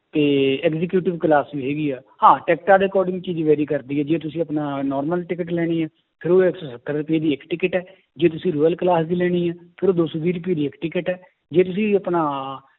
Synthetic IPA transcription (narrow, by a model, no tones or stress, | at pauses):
t̪eːɛːkzɪk̬juːʈɪʋkəlaːsʋiːɦɛːɡiːɛːɦãːʈɛːk̚ʈaːɖ̪eːkɔːɾɖɪ̃ŋɡt͡ʃiːd͡ʒʋɛːɾiːkəɾd̪iːɛːd͡ʒeːt̪ʊsĩːəpnaːnɔːɾməlʈɪkəʈ̬lɛːɽ̃iːɛː | pʰɪɾoːeksoːsək̪ʰːəɾɾʊpieːd̪iːɪkʈɪkəʈɛː | d͡ʒeːt̪ʊsĩːɾuːəlklaːsd̪iːlɛːɽ̃iːɛːpʰɪɾoːd̪oːsobiːɾʊp̬ieːd̪iːɪkʈɪkəʈɛː | d͡ʒeːt̪ʊs̬ĩːəpnaː